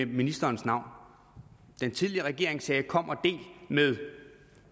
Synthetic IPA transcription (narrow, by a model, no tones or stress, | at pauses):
minisd̥ɐːnsnɑ̈ʊ̰n | d̥ent͡sʰiðˠliəʁɛɡ̥e̝ɐ̰e̝ŋsɛːkʰɒ̽m̰ɒd̥e̝̰ːlmeð̞ˠ